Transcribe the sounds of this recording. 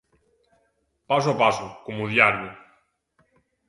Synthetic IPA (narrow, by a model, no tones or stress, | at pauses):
pas̬ʊapasʊkomuðjaɾjʊ